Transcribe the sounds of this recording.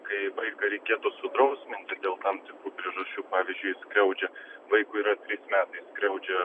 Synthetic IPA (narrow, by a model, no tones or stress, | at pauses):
kɐɪʋɐɪkɐɾʲɛɪkʲeːt̪ʊsʊd̪ɾɐʊsʲmʲɪnʲt̪ʲɪd̪ʲeːlˠt̪ɐmt̪ʲɪkɾuːpʲɾʲiɛʒɐʃʲt͡ʃʲuːpɑːʋʲiɪzʲd͡ʒʲʊɪskɾʲɛʊd͡ʒʲɛʋɐɪkʊiːɾɐt̪ʲɾʲɪsmʲæːt̪ɐɪsskɾʲɛʊd͡ʒʲɛ